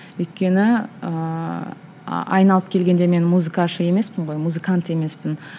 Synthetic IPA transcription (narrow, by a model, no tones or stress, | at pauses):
wʏjt̪̚kʲe̞nɪə | ɑ̰jnɑlˠəpkʲʰe̞lɡʲe̞nd̪e̞me̞nmuzɨkaʃəe̞me̞spɪɴʁo̞jmuzɨkant̪e̞me̞spɪn